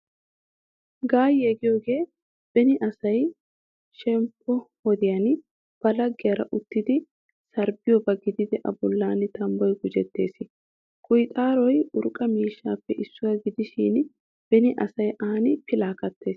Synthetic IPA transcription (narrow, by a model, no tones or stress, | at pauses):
ɡaːjɛɡɪjoːɡe̞ː | b̥ɛnɪʔɐsɐj | ʃɛmpʰːɔhɔd̪ɪjɐn | b̥ɐlɐɡːɪjɐɾɐ̰ʔʊt̪ːɪd̪ɪ | sɐɾbɪjɔbɐɡɪd̪ɪd̪ɛʔɐ̰bʊlːaːnɪt̪ɐmbɔjɡʊd͡ʒɛt̪ːe̞̰ːsɪ | kʼʊjt̪ʼaːɾɔjʊɾkʼɐmiːʃːaːpːɛʔɪsːʊwɐɡɪd̪ɪʃiːn | b̥ɛnɪʔɐsɐjʔaːnɪpɪlaːkɐt̪ːe̞ːs